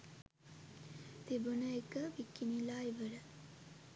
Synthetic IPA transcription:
t̪ebunəekəʋikːinilaːiʋəɾə

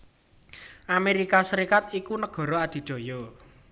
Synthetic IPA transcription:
ʔameɾikasəɾikat̪ikunəɡ̥ɔ̤ɾɔad̪̥i̤d̪̥o̤jɔ

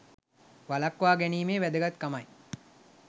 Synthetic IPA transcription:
ʋalakːʋaːɡæniːmeːʋæd̪əɡat̪kamɐj

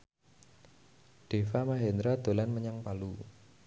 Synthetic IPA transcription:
ɖ̥e̤famaɦend̪ɾad̪̥o̤lanməɲaŋpalu

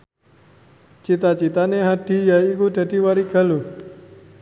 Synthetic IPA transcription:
t͡ʃit̪at͡ʃit̪aneɦad̪̥i̤jaikud̪̥a̤d̪̥i̤waɾiɡ̥a̤lo

